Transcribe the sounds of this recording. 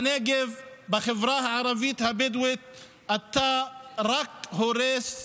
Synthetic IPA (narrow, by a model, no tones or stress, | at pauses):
neɡevbaχevɾahaʕaɾˤavit̪habed̪wit̪̚ | ʔat̪ːaɾakhoɾes